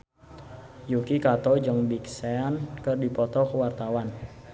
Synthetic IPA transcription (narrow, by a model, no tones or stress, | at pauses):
jukikat̪ɔd͡ʒəŋbiksɛnkərdipɔt̪ɔkəwart̪awan